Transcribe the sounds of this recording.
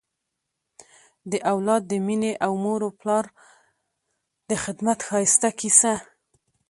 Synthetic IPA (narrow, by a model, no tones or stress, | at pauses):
d̪əʔawlɑd̪ːəmineʔawmoɾoplɑɾ | d̪̥əxɪd̪mat̪xɑjɪst̪akisa